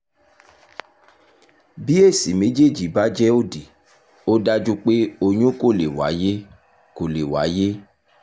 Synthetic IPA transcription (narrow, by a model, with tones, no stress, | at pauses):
bi˦e˦˨si˨me˨˦d͡ʒe˦˨d͡ʒi˨˦ba˦d͡ʒɛ˦o˦˨di˨ | o˦da˦d͡ʒu˦k͡pe˦o˧ɲũ˦ko˦˨le˨wa̰˨˦je˦ | ko˨le˨wa˨˦je˦